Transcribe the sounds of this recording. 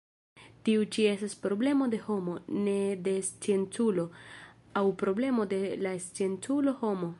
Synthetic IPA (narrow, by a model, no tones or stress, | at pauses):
tiut͡ʃie̞staspɾo̞ble̞mo̞de̞ho̞mo̞ne̞de̞st͡sient͡sulo̞ | awpɾo̞ble̞mo̞de̞last͡sie̞nt͡sulo̞ho̞mo̞